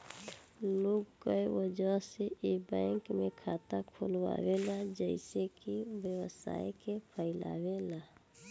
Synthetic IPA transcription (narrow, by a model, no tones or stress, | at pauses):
loːɡkajwəd͡ʒaseʔebɛ̃ːŋkmẽkʰaːt̪akʰolwa̰ːwelad͡ʒəɪsekiwjəwəsa̰ːjkepʰəɪla̰ːwela